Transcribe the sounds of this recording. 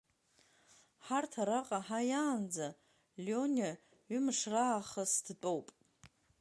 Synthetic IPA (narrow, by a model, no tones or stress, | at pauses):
ħartʰaɾaqʼaħajaːnd͡za | lʲonʲa | ɥʏmɨʂraːχəsdt͡pʼowpʼ